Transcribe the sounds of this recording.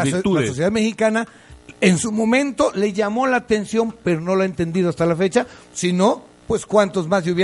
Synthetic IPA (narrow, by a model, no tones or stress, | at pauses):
uasosjeðaðme̞xikana | ensumo̞mẽ̞nt̪o̞le̞ʝamo̞laːt̪e̞nsjo̞mpe̞ɾo̞no̞loaent̪e̞nd̪ið̞oast̪alafe̞t͡ʃa | sino̞ | pwe̞skwant̪o̞zmazʎuβj